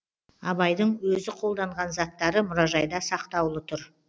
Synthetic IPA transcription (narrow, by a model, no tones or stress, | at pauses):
ɑbɑjd̪əɴwɵzɪqʰo̞lˠd̪ɑɴʁɑnzɑt̪ːɑɾəmʊɾɑʒɑjd̪ɑsɑqt̪ɑwlˠət̪ʰʊɾ